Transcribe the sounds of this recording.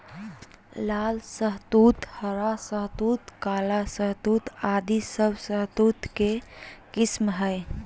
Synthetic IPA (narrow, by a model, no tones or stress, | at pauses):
laːlsəɦt̪uːt̪həɾasəɦt̪uːt̪kaːlasəɦt̪uːt̪aːd̪isəbsəɦt̪uːt̪kekɪsmɦɛj